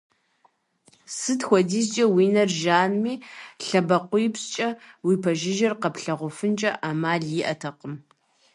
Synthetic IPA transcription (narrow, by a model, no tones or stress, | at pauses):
sɨtxʷɔdiːzt͡ʃʼɐwiːnɐrʒaːnmiːɬɐbɐqʷʊjɪpst͡ʃʼɐwiːpʰɐʒɪʒɪrqɐpɬɐʁʷʊfɨnt͡ʃʼɐʔamaːɮjɪʔɐtʰɐqəm